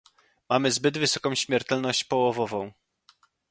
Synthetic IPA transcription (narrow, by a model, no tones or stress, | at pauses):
mamɘzbɘd̪vɘsɔkɔ̃w̃ɕmʲjɛɾt̪ɛlnɔɕt͡ɕpɔwɔvɔvɔ̃w̃